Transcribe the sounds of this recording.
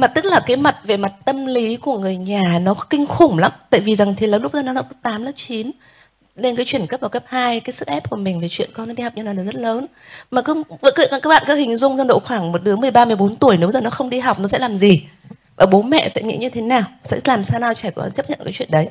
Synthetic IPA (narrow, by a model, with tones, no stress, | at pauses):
maː˨˩t̪ɨ˦˥k̚laː˨˩kaː˨˦jma˨˩t̚ve˨˩ma˨˩t̚t̪ə˧mli˨˦ku˧˩əŋɨ˨˩əjɲaː˨˩nɔ˨˦kɔ˨˦kï˧ŋ̟xʊ˨˧˩ŋ͡mla˨˦mt̪a̰ː˧˨jvi˨˩za˨˩ŋt̪ʰi˨˩ləː˨˦nlʊ˦˥k͡p̚za˧nɔ˨˦a˨˩k͡p̚ləː˦˥t̪aː˨˦mləː˦˥p̚t͡ɕi˨˦n | ɗe˧nkaː˨˦jt͡ɕwi˧˩ənkə˦˥p̚vaː˨˩kə˦˥p̚haː˧jkaː˨˦jsɨ˧˥ʔɛ˦˥p̚ku˧˩əmï˨˩ŋ̟ve˨˩t͡ɕwḭ˧˨ənkɔ˧nɔ˨˦ɗi˧ha˨˩w̚k͡p̚ɲa˧na˨˩nɔ˨˦zə˦˥t̚ləː˨˦n | maː˨˩kɨ˧˦˧kːkːkaː˦˥kɓa̰ː˧˨kaː˦hï˨˩ŋ̟zʊ˧wŋ͡mzə˧nɗo̰˧˨xwaː˧˩ŋmo˨˩t̚ɗɨ˨˦əŋmɨ˨˩əjɓaː˧mɨ˧˩əjɓo˨˦nt̪u˧˩əjne˨˦wzəː˨˩nɔ˨˦xə˧wŋ͡mɗi˧ɦa˨˩wk͡p̚nɔ˨˦sɛ̰˧˥laː˨˩mzi˨˩ | ʔəː˧˩ɓo˨˦mɛ̰˧˨sɛ̰˧˥ŋḭ˧˥ɲɨ˧t̪ʰe˨˦naː˨˩wsɛ̰˧˥laː˨˩msaː˧naː˧wt͡ɕa˧˩jku˧˩˨ʔt͡ɕə˦˥p̚ɲə̰˧˨kaː˨˦jt͡ɕwḭ˧˨ə˨ɗə˨˦j